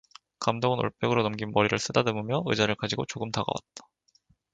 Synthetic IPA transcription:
kamdoŋɯno̰ɭp͈ʰjʌɡɯɾonʌmɡinmʌɾiɾɯɭs͈ʰɯdadɯmɯmjʌɯd͡ʑaɾɯɭkad͡ʑiɡot͡ɕoɡɯmtaɡa̰wa̰t̚t͈ḁ

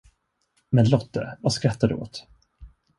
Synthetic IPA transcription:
mɛnlɔt̪̚də̰vaskɾat̪ːad̪ɵ̰o̰ːt̪

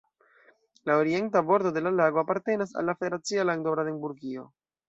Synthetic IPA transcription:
laoɾie̞ntabo̞ɾto̞de̞lalaɡo̞apaɾte̞nas̬a̰lːafedeɾat͡sialaŋdobɾadeŋbuɾɡio̞

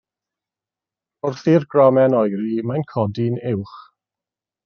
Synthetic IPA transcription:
ʊrθirɡrɔmɛnɔjɾimajnkʰɔdinɪwχ

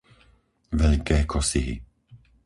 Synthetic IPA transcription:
ʋɛʎkɛːkʰɔsiɦḭ

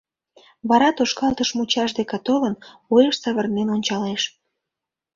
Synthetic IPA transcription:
βɑɾɑt̪oʃkɑlt̪əʃmut͡ɕɑʃd̪ekɑt̪olən | ojəʃsəβərnenonʲt͡ɕɑleʃ

